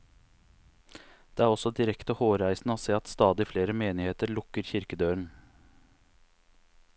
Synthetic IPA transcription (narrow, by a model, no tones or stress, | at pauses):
d̪̥eːæːɾɔsɔd̪ɪɾɛkt̪əhoːɾæɪsn̩əoːseːɑt̪st̪ɑːd̪ɪfleːɾəmeːnɪheːt̪əɾɭʊkəɾçɪɾkəd̪øːɳ̩